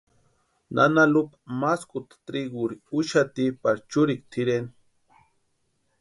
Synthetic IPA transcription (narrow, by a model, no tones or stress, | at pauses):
nʔa̰nalupḁmaskut̪ḁt̪ɾiɡuɾiuʃat̪ipaɾt͡ʃuɾik̚t̪ʰiɾeni